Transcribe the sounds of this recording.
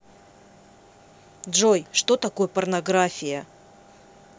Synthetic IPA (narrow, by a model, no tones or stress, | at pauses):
dʐojʂt̪o̞t̪ɐko̞jəpərnɐɡɾafʲɪjə